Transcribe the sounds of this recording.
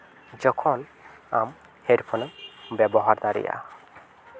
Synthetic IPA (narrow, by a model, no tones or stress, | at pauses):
d͡ʒɔkʰɔlam | heɾpʰɔnəmbɛbɔɦaɾd̪aɾḭja̰